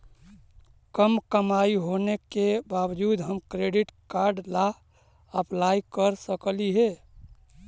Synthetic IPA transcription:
kəmkəmaiɦonekebaːwd͡ʒuːd̪ɦəmkɾeɖɪʈkaɾɖla | əplaːikəɾsəkliɦɛ

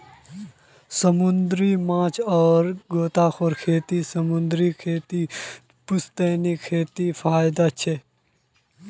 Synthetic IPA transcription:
səmʊnd̪ɾimãːt͡ʃɔːɾɡoːt̪aːxʰoːɾkʰeːt̪isəmʊnd̪ɾikʰeːt̪i | pʊst̪eːnikʰeːt̪ifʰaːjd̪at͡ʃʰeː

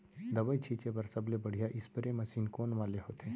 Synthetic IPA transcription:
d̪ɐbəit͡ʃʰiːt͡ʃepɐɾsɐblebɐɽ̤ijaʔɪspəɾemɐsiːnkoːnʋaːleɦoːt̪ʰẽː

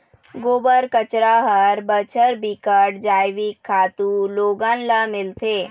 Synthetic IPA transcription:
ɡoːbəɾkət͡ʃɾaɦəɾbət͡ʃʰəɾbikəɖd͡ʒaːjʋikʰːaːt̪uloɡənləmɪlt̪ʰeː

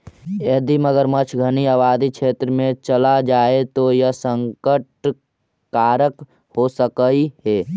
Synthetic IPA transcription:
eːd̪iməɡəɾmət͡ʃʰɡʱəniaʋaːd̪ikʃʰeːt̪ɾəmẽt͡ʃəlad͡ʒaːet̪ojəɦsə̃ŋkəʈ | kaːɾək | hosəkəihɛː

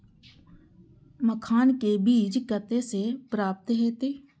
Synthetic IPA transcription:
məkʰaːnkebiːd͡ʒkət̪esepɾaːp̚t̪ɦeːt̪eː

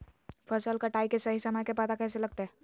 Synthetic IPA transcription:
fʰɐsəlkaʈaːikesɐɦisɐmad͡ʒkepɐt̪akɛːselɐɡ̚t̪eɦɛː

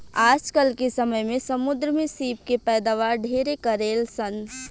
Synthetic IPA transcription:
aːd͡ʒkəlkesəməjmẽsəmʊd̪ɾəmesiːp̚kepɛːd̪aʋaːɾɖʱeːɾekəɾeːlsən

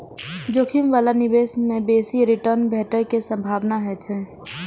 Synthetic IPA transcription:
d͡ʒoːkʰimʋaːlanɪbeːsmẽbeːsiɾɪʈəɾnbʱɛːʈəkesə̃mbʱaːʋnaɦɛt͡ʃʰɛː

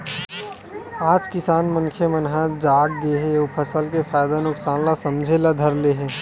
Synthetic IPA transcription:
aːd͡ʒkɪsaːnmənkʰemənɦãd͡ʒaːɡ̚ɡeɦẽopʰəsəlkefʰaːjd̪anʊksaːnlasɐmd͡ʒʱelad̪ʱəɾleɦɛ̃ː

